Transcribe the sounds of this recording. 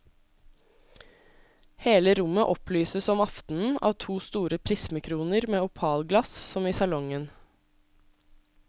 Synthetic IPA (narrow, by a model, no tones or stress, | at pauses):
heːləɾʊməʔɔplyːsəsɔmɑft̪n̩n̩ɑ̰ːʋt̪ʰuːst̪uːɾəpʰɾismɪkʰɾuːnəɾmeːʊpʰɑːlɡlɑssɔmiːsɑlɔŋən